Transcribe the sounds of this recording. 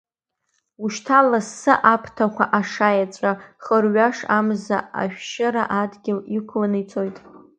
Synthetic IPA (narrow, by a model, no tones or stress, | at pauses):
uʃtʰalasːɨʔapʰtʰakʷaʔaʂajat͡sʷʼaχərɥaʂamza̰ʔa̰ʃᶣʃɪɾaʔadɡʲɪlikʷʰlanɨjt͡sʰo̞jtʼ